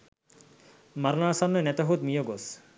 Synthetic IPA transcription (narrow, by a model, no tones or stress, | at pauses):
maɾnaːsanːənɛt̪ɐɦut̪mijoɡos